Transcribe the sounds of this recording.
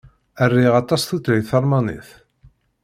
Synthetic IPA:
ærːiʁɑt̪ˤɑsθut̪ɾijθɑɾˤmɑnɪ̰θ

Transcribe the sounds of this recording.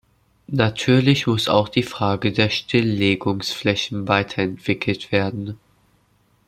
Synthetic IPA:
natʰyːɐlɪçmʊsa̰ʊxd̥iːfʁ̥aːɡədeːɐʃtʰɪlːeːɡʊŋsflɛçn̩vaɪtʰɐɛntv̥ɪkʰl̩tv̥eːɐdn̩

